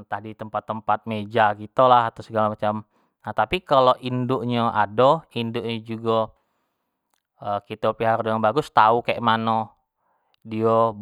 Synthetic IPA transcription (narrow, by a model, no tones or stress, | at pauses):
t̪ahdit̪əmpat̪ːəmpat̪̚med͡ʒakit̪olaɦat̪awsəɡalamat͡ʃam | nat̪apikaloʔindʊʔɲəʔadoindʊʔɲəd͡ʒuɡɔ | əkit̪opiɦardoaŋbaɡʊst̪aukaeʔmano | dio